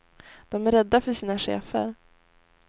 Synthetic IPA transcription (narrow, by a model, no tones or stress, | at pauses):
d̪̥ɔmæɾɛd̪ːafœʂiːnaɧḛːfə̰ɾ